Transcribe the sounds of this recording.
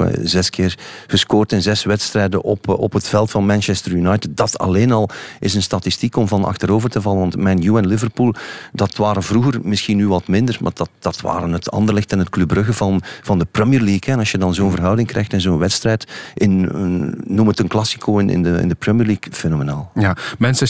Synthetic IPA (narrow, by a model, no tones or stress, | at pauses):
zɛskɪːrɣəskoːrtɪnzɛsʋɛtstrɛjdəʔɔpɔpɦətfɛlˠtfɑnmɛnʃɛstəɹjunɑjtɪt̚dɑtʰɑ̰leːnɑlˠʔɪsənstɑtistikɔmvɑnɑ̰xtəɾoːvərtəvɑlənʋɑntmɛnjuɛnlɪvərpuːlˠdɑtʋaːɾənvruɣərmɪsxinyʋɑtmɪndərma̰ːdɑtd̥ɑtʋa̰ːɾənɦətʰɑ̰ndərlɪxtənɦət̚klɵbrɵɣəvɑnv̥ɑndəprɛmiəɹliːkɛɛnɑsʃjədɑnzoːnvərɦœwdɪŋkɾɛ̰jxtɛnzoːnʋɛtstrɛjtʔɪnː | umətənklɑsi̥kʰoːɪnɪ̰ndəɪ̰ndəpɹɛmiəːɹliːkfenomenaːlˠjamɛnsɛ